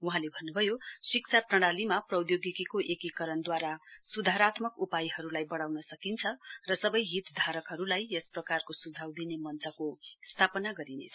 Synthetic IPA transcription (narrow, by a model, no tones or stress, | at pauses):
uɦãlebʱʌnːubʱʌjosik̚t͡sʰaprʌɽ̃alimaprʌwd̪joɡikikoʔekikʌɾʌnd̪waɾasud̪ʱaɾat̪mʌkupajɦʌɾulajbʌɽawnʌsʌkint͡sʰʌrʌsʌbʌjɦit̪d̪ʱaɾʌkɦʌɾulajesprʌkarkosud͡zʱawd̪inemʌnt͡sʌkost̪ʰapʌnaɡʌɾinḛt͡sʰʌ